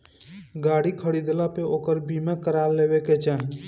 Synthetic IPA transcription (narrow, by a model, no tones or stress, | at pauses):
ɡaːɽikʰəɽid̪lapeoːkəɾbʱimẽkəɾaːɾleːʋeket͡ʃaːɦi